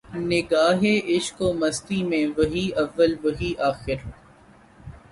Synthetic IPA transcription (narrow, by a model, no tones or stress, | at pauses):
nɪɡaːɦeʔɪʃkoːmɐst̪imẽʋɐɦiɐʋːəlʋɐɦiʔaːxɪɾ